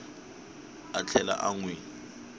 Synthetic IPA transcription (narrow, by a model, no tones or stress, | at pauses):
at͡ɬʰɛla̰ʔaŋwe